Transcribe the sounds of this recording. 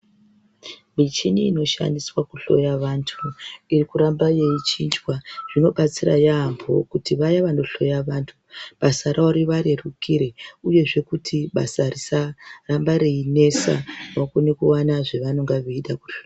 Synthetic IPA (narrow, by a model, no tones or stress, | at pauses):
mit͡ʃiniːno̞ʃa̰ndiswakuɬo̞̰jaʋantʰuirikuɾambaje̞it͡ʃind͡ʒwaʐ̥ino̞ɓat͡sira̰jaːmbʱo̞̰kutiʋajaʋano̞ɬo̞jaʋantʰuɓasaɾʔaoɾiʋaɾerukʰiɾeuje̞ʐe̞kutʰiɓa̰sarisarambaɾeine̞sa̰makonekuwanaʐe̞ʋano̞ŋɡaʋeiɗaku̥ɬoa